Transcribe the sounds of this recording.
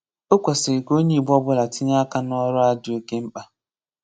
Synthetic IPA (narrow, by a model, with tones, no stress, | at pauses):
o˦kʷa˨sɪ˨i˨ɡo˦ɲi˦˨bɔ˦bʊ˦la˨ti˦ɲa˦ka˦n˦ɔ˦ɾʊ˦a˦dʊ˨˦o˦ke˦m̩˦k͡pa˦